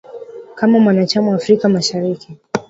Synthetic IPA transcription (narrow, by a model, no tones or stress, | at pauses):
kamamwanat͡ʃamawaːfɾikamaʃaɾiki